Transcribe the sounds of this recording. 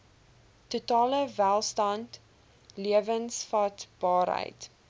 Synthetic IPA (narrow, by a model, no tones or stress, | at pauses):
tutɑːləvælˠstɐnt | liəvənsfɐtb̥ɑːɾɦə̰jt